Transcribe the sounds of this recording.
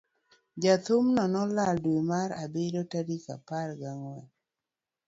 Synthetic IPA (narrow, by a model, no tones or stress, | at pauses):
d͡ʒat̪umnɔnɔlaldwemaɾabedotaɾika̰parɡaŋwɛ